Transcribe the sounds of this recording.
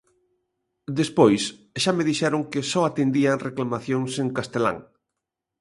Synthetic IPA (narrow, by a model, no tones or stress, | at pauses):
d̪espojsʃameð̞iʃɛɾoŋkɪsɔat̪end̪iaŋreklamaθjoŋseŋkast̪ela̰ŋ